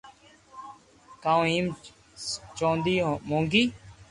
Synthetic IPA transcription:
kaːũːĩːm | t͡ʃõːnd̪iːmõːŋɡiː

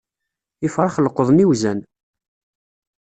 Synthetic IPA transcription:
ɪfɾˤχəlqəðˤniwzæn

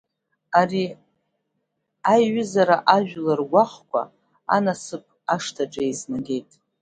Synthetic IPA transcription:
ari | ajɥʏzaɾaʔaʒᶣlarɡʷaχkʷʰa̰ | a̰nasɨp̚ʼʰaʂtʰaʈ͡ʂʼaiznaɡʲe̞jtʼ

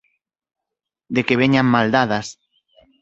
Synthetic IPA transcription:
d̪ekeβ̞eɲaŋmald̪aðas

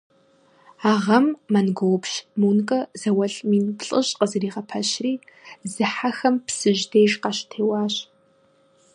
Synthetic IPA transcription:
aːʁɐmːɐnɡowpɕmuːnkʼɐzɐwɐɮmiːnpɬʼɨɕqəzɨriːʁɐpʰɐɕriːzɨħaxɐmpsɨʑdeːʒqɑɕtʰeːwɑːɕ

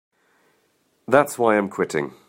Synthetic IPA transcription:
ðatswaɪãɪ̃mkʰw̥ɪtʰɪ̰̃ŋ

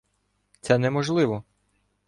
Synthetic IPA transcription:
t̪sɛnɛmɔʒlˠɪʋɔ

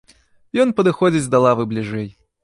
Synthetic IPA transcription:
jɔnpɐd̪ɨxɔd͡zʲit͡sʲd̪ɐlˠavɨblʲiʐɛj

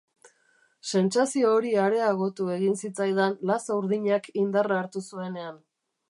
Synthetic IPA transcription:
se̞nt͡sasio̞ːɾiaɾe̞aɣ̞o̞t̪ue̞ɣinsit͡sajðanlasauɾðiɲakind̪araːɾt̪usue̞ne̞an

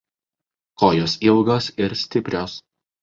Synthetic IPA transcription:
koːjoːsilˠɡosɪɾsʲt̪ʲɪpʲɾʲoːs

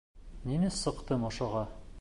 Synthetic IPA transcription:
ninɘsɤ̆qt̪ɤmŏʃŏʁɑ

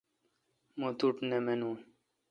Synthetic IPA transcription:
mot̪uʈnemenun

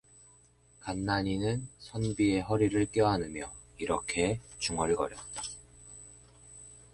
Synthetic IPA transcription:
kanːaɲinɯnsʰʌnbie̞ɦʌɾiɾɯɭk͈jʌɦanɯmjʌiɾʌkʰe̞t͡ɕuŋʌɭɡʌɾjʌt̚t͈ḁ

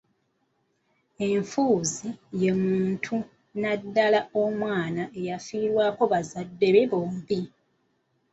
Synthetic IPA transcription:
e̞ɱfuːzije̞muːntʰu | nadːalao̞mwaːnaʔe̞jafiːɾwaːko̞βazadːe̞βe̞βoːmbi

